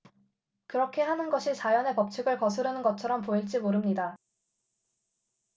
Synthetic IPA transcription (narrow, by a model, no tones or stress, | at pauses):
kɯɾʌkʰe̞ɦanɯnɡʌɕʰit͡ɕajʌne̞pʌp̚t͡ɕʰɯɡɯɭkʌsʰɯɾɯnɯnɡʌt͡ɕʰʌɾʌmpoiɭt͡ɕ͈imoɾɯmɲida